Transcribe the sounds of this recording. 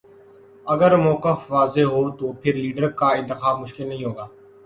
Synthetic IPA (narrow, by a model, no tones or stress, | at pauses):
əɡəɾmɔːkəfʋaːzeɦoːt̪oːpʰɪɾliːɖəɾkaɪ̃nt̪ɪxaːbmʊʃkɪlnɐɦĩɦoːɡaː